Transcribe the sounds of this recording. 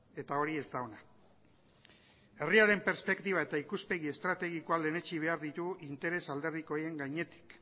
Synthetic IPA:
e̞t̪ao̞ɾie̞zt̪aona | e̞riaɾe̞mpe̞ɾspe̞kt̪iβ̞ae̞t̪aikuspe̞ɣiest̪ɾat̪e̞ɣ̞iko̞ale̞ne̞t͡ʃiβ̞e̞aɾðit̪uʔint̪e̞ɾe̞sald̪e̞ɾð̞iko̞je̞ŋɡajɲe̞t̪i̥k

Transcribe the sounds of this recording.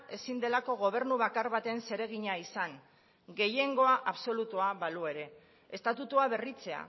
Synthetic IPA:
e̞sind̪e̞lako̞ɣ̞o̞β̞e̞ɾnuβakaɾβat̪e̞nse̞ɾe̞ɣ̞iɲaisaŋ | ɡe̞je̞ŋɡo̞aʔaβso̞lut̪uaβalue̞ɾe̞ː | st̪at̪ut̪uaβe̞rit͡se̞a̰

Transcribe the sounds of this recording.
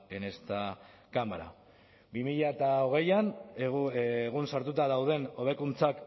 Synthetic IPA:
ene̞st̪a | kamaɾa̰ | bimiʎaet̪ao̞ɣ̞e̞jan | ɣunsaɾt̪ut̪aðawð̞e̞no̞β̞e̞kunt͡sak

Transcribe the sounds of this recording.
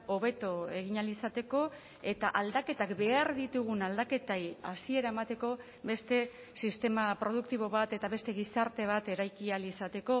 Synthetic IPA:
o̞βe̞t̪oe̞ɣ̞iɲalisat̪e̞ko̞ | e̞t̪aʔald̪ake̞t̪akbe̞aɾðit̪uɣ̞unald̪ake̞t̪aja̰sie̞ɾaemat̪e̞ko̞ | βe̞st̪e̞ | sist̪e̞mapɾo̞ð̞uk̚t̪iβ̞o̞βat̪e̞t̪aβe̞st̪e̞ɣisaɾt̪e̞β̞at̪e̞ɾajkialisat̪e̞ko̞

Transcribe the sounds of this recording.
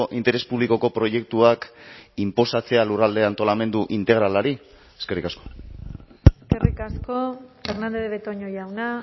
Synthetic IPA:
ʔint̪e̞ɾe̞spuβliko̞ko̞pɾoje̞k̚t̪uakimpo̞sat͡se̞alurald̪e̞ant̪o̞lame̞nd̪uʔint̪e̞ɣ̞ɾalaɾi | eskerikasko̞̥ | eskerikaskofe̞ɾnand̪eðeβet̪oɲojawna

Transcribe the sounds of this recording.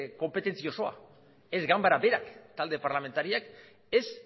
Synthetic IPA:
ko̞mpe̞t̪e̞nt͡sio̞so̞a̰ | e̞zɡambaɾabe̞ɾakt̪ald̪e̞paɾlame̞nt̪aɾiak | e̞s

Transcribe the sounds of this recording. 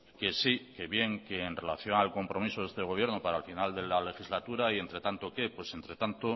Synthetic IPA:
ke̞sike̞βje̞ŋke̞ːnre̞la̰θjo̞ŋalko̞mpɾo̞miso̞ðe̞st̪e̞ɣ̞o̞β̞je̞ɾnopaɾaelfinald̪e̞lale̞xizlat̪uɾaie̞nt̪ɾe̞t̪ant̪o̞ke̞pwe̞se̞nt̪ɾe̞t̪ant̪o

